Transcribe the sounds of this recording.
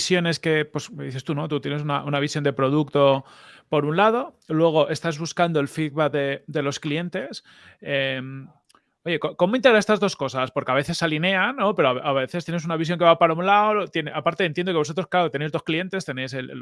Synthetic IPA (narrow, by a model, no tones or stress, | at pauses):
sjo̞ne̞ske̞po̞sðiθe̞st̪uno̞t̪ut̪je̞nesunaʔunaβ̞isjo̞nd̪e̞pɾo̞ð̞ukt̪o̞ | po̞ɾunlað̞o̞lwe̞ɣ̞o̞ʔe̞st̪azβuskand̪oelfiðβat̪̚d̪e̞d̪e̞lo̞sklie̞nt̪e̞s | em | o̞je̞koko̞mo̞int̪eɾae̞st̪azðo̞sko̞saspo̞ɾkeaβe̞θe̞sːaline̞anːo̞pe̞ɾoaβeʔaβe̞θest̪jenesunaβis̬jo̞ŋke̞βapaɾaunlaolot̪je̞neapaɾt̪e̞ent̪jend̪o̞keso̞t̪ɾosklaɾot̪ene̞jzðosklie̞nt̪e̞st̪e̞ne̞jse̞l̰